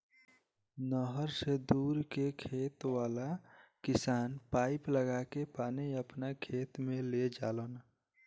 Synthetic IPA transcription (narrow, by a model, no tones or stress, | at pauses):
nɔːɦəɾsed̪uːɾkekʰeːt̪waːlakɪsaːnpaːɪpləɡaːkepaːniɐpnakʰeːt̪mẽled͡ʒaːloːna